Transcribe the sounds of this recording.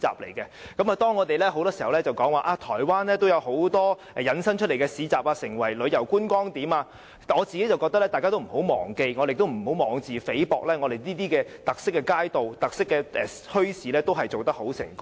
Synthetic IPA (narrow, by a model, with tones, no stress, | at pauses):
t͡sa̰ː˨p̚le˨˩jkɛ˧kɐ˨˥maː˨t̪ɔː˥ŋɔ˨˧t̪e˨jlɛː˥ɦo˨˥wt̪ɔː˥si˨˩hɐ˨wlɛː˥t͡sɐ˨wkɔː˨˥ŋwaː˨˧ʔaː˧t̪ʰɔː˨˩jwaː˥nlɛː˥t̪o˥wjɐ˧who˨˥wt̪ɔː˥ | ɛ˨jɐ˨˧nsɐ˥nŋt͡ʃʰɵ˥t̚le˨˩jkɛː˧siː˨˥t͡saː˨p̚aː˧sɪ˨˩ŋwɐ˨˩jlɵ˨˧ɥjɐ˨˩wkuː˥nkʷɔː˥ŋt̪iː˨˥maː˧ | ŋɔː˨˧t͡si˨ke˨˥jt͡sɐ˨wkɔː˧k̚t̪ɐ˥lɛː˥taː˨kaː˥t̪o˥m̩˨˩ho˨˥wmɔ̰ː˨˩ŋke˧jŋɔː˨˧e˨˩t̪o˥m̩˨˩ho˨˥wmɔː˨˧ŋt͡siː˨fe˨˥jpɔ̰ː˨k̚lɛː˥ŋɔː˨˧ɾe˨jniː˥t̪iː˥kɛː˧t̪ɐ˨k̚sɪ˥kːɛ˧kaː˥jt̪o˨wt̪ɐ˨k̚sɪ˥kːɛː˧ʔɛ˨ | hɵ˥ɥsiː˨˧lɛː˥t̪o˥wɦɐ˨jt͡so˨wt̪ɐ˥k̚ho˨˥wsɪ̰˨˩ŋk